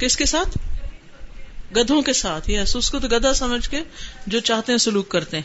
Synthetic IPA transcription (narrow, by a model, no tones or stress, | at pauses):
kɪskesaːt̪ʰ | ɡɐd̪ʱõkesaːt̪ʰjɛsʊskot̪oɡɐd̪ʱasɐməd͡ʒʱked͡ʒoːt͡ʃaːɦt̪eɦɛ̃sʊluːkːɐɾt̪eɦɛ̃